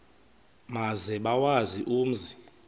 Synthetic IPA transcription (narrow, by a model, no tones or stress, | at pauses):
mazɛɓawaziʔuːm̩zi